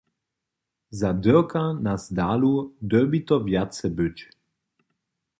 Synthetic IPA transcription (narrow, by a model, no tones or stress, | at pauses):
zad̪əkanazd̪aːlud̪œbit̪ɔvjat̪sɛbøt͡ɕ